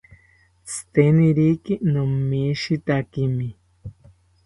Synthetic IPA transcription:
t͡sʰɨ̥t̪eniɾikinomːiʃit̪akimi

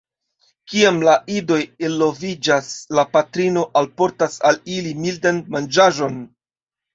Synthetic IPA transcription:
kiamlaʔido̞jelːo̞vid͡ʒaslapatɾino̞ʔalpo̞ɾtasalilimildanmand͡ʒaʒo̞n

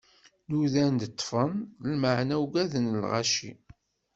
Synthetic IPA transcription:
nuðænd̪ət̪ˤːfənlməʕnæwɡæðənəlʁɑ̰ʃḭ

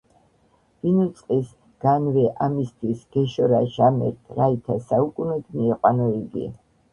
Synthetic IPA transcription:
vinut̪sʼqʼis | ɡ̥anvɛʔamist̪ʰwisɡ̥ɛʃɔɾaʒamɛ̰ɾt̪ʰɾait̪ʰasaukʼunɛd̪miɛqʼwanɔiɡḭ

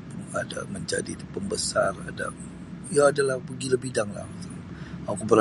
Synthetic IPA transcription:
ŋa̰da̰məɲd͡ʒa̰dit̪pəmbəsara̰da̰ | jaːdalahpəɡiləbidaŋla̰ht̪ | akubər

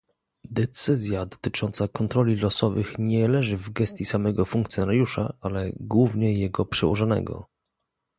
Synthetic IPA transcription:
d̪ɛt̪sɘzʲjad̪ɔ̥t̪ɘt͡ʂɔnt̪sakɔnt̪ɾɔlʲilɔsɔvɘxɲɛlɛʐɘvɡɛst̪jisamɛɡɔfuŋkt̪sʲjɔnaɾʲjuʂa̰alɛɡwuvɲɛjɛɡɔpʂɛwɔʐanɛ̰ɡɔ̰

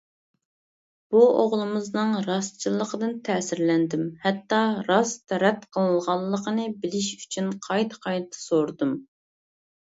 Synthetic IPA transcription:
b̥uoʁlˠɨmɨznɨŋɾɑst͡ʃʰilˠːəqʰəd̪ɨnt̪ʰɛːsɪɾlɛnd̪ɪmhɛt̪ːɑɾɑst̪ʰɛɾɛt̪qʰəlˠəlˠʁɑlˠːəqʰənɨbɪlɪʃy̥t͡ʃʰynqʰɑjt̪ʰqʰɑj̪t̪ʰɨ̥soɾd̪um

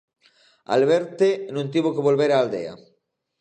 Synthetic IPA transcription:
a̰lβeɾt̪enũnt̪iβ̞okeβolβeɾaːld̪ḛa̰

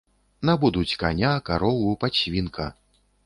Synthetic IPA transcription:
nabud̪ut͡sʲkanʲakaɾɔwupat͡ɕvʲinkʰɐ

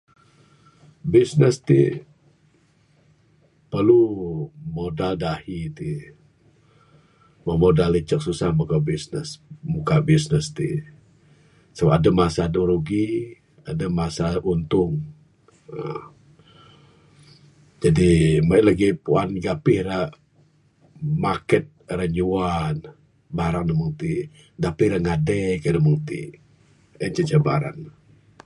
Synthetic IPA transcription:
bisnəst̪ḭ | pərlu | modaldahit̪i | məmodalːət͡ʃək̚susahmukabisnəsmukabisnəst̪ḭ | səbapadamasadoɾuɡi | adamasaʔunt̪ʊŋ | ə | d͡ʒadimalaɡipuanɡapɪhɾa | makɛt̪̚raɲuan | baɾaŋnəmuŋt̪i | ɡapɪhɾaŋadɛkədəmuŋt̪ḭ | ənt͡ʃət͡ʃəba̰ɾa̰n

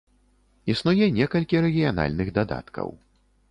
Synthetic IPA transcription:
isnujɛnʲɛkɐlʲkʲiɾɛɣʲijana̰lʲnɨɣd̪ad̪a̰t̪kʰɐ̰w

